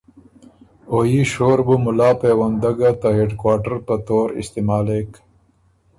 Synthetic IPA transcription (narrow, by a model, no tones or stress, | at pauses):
ojiɕoːɾbumʊlaːpeːwɐnd̪ɐɡat̪aɦeɖkwaːʈəɾpət̪oːɾɪ̰st̪emaːleːk